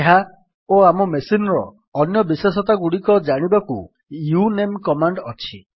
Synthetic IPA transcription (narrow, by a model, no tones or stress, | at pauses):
eɦa | oamɔmesinɔɾɔː | njɔbisesɔt̪aɡuɽikɔd͡ʒaɽ̃ibakṵ | junemkɔmaɳɖɔt͡ʃʰi